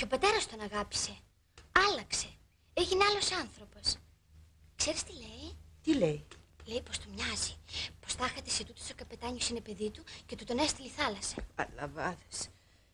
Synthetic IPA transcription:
ceo̞pɐt̪e̞ɾɐst̪o̞nɐɣɐpi̥se̞ | ɐlɐkse̞ | eʝineɐlo̞sɐnθɾo̞po̞s | kse̞ɾist̪ile̞it̪ilejle̞jpo̞st̪umɲɐzipo̞st̪ɐxɐt̪e̞set̪ut̪osokɐpe̞t̪ɐɲosine̞pe̞ðit̪uce̞t̪ut̪o̞nest̪iliθɐlɐsɐ̥ɐ̰lɐ̰vɐðes

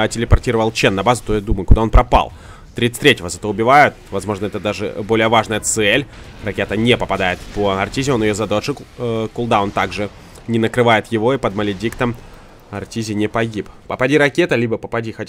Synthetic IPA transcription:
tʲɪlʲɪpɐrtʲiɾəvəlˠt͡ɕenːɐbazʊt̪ojad̪uməjʊkʊd̪ao̞npɾɐpa̰lˠ | t̪ɾʲit̪sɨ̥t̪ʲɾʲetʲɪvəzɐt̪oʊbʲɪvajʊt̪vɐzmo̞ʐnəɛt̪əd̪aʐɨ̰bo̞lʲɪjəvaʐnəjət̪sɛlʲrɐkʲe̞t̪ənʲepəpɐd̪ajɪt̪pəɐrtʲizʲɪonjɪjozɐd̪oʂɨkkʊlˠd̪ao̞nt̪aɡʐɨ | nʲɪnəkɾɨvajɪt̪jɪvo̞ipəd̪məlʲɪdʲikt̪əm | ɐrtʲizʲɪnʲɪpɐɡʲippəpɐdʲiɾɐkʲet̪əlʲibəpəpɐdʲixɐtʲ

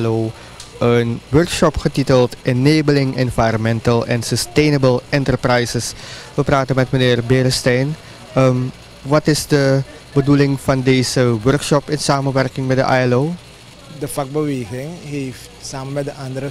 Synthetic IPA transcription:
low | ənʋøɹkʃɔpχətitəlˠtʔɪneːbəlɪŋɛnvajɾɔnmɛntəlˠɛ̰nsəstejnəbəlˠɪntəɹprɛjsəsʋəpraːtənmɛtmənɪːrbeɾəstɛjn | əm | ʋɑtɪsdə | bədulɪŋfɑndeːzəʋœɹkʃɔpɪnsaːmənʋɛrkɪŋmɛt̚də̰ʔaːɛloː | dəfak̚bəʋeːɣɪŋɦeftsaːmənmɛtdəʔɑndəɾə

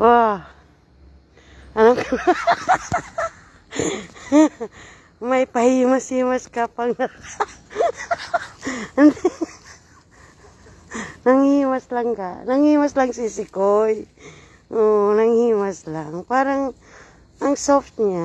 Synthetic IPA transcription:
a | anak | majpahimasimaskapaŋata | nd | naŋhimaslaŋkanaŋhimaslaŋsisikoj | onaŋhimaslaŋpaɾaŋ | aŋsɔft̪̚ɲa

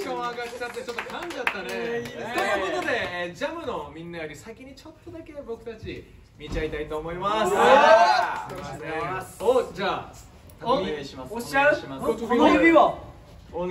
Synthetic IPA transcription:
koaɡakt͡ɕat̪ːe̞t͡ɕo̞t̪ːokʰãɲd͡ʑiat̪ːaneojɯko̞t̪o̞d̪e̞d͡ʑamɯ̟nomʲĩnːajoɾʲisakʲiɲ̟it͡ɕo̞t̪ːod̪ake̞bo̞kɯ̟̥t̪at͡ɕi | mʲit͡ɕait̪ait̪o̞ːmo̞imas | eod͡ʑaː | oa | õbʲia

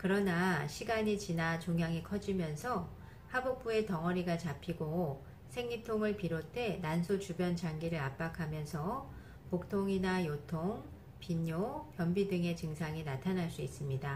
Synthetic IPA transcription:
kɯɾʌnaɕʰiɡaɲit͡ɕinat͡ɕoŋɦjaŋikʰʌd͡ʑimjʌnsʰʌ | habok̚p͈ue̞tʌŋʌɾiɡat͡ɕapʰiɡo | sʰe̞ŋɲitʰoŋɯɭpiɾotʰe̞nansʰot͡ɕubjʌnt͡ɕaŋɡiɾɯɾap͈akʰamjʌnsʰʌ | pok̚tʰoŋinajotʰoŋ | piɲopjʌmbidɯŋe̞t͡ɕɯŋsʰaŋinatʰanɦaɭs͈uis͈ɯmɲida

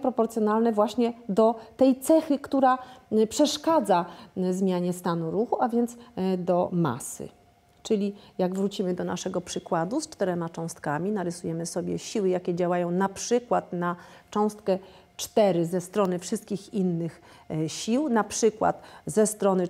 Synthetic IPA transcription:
pɾɔpɔɾt̪sʲjɔnalnɛvwaɕɲɛd̪ɔt̪ɛjt̪sɛxɘkt̪uɾapʂɛʂkad̪zazmʲjaɲɛst̪anuɾuxuavʲjɛnt̪sd̪ɔma̰sɘ̰ | t͡ʂɘlʲijaɡvɾut͡ɕimɘd̪ɔna̰ʂɛɡɔpʂɘkwad̪ust͡ʂt̪ɛɾɛmat͡ʂɔ̃w̃st̪kamʲinaɾɘsujɛmɘsɔbʲjɛ̰ɕiwɘjakʲɛd͡ʑawajɔ̃w̃napʂɘkwat̪nat͡ʂɔ̃w̃st̪̚kɛ | t͡ʂt̪ɛɾɘzɛst̪ɾɔnɘfʂɘst̪̚kʲixinːɘxɕiwnapʂɘkwa̰t̪zɛst̪ɾɔnɘ

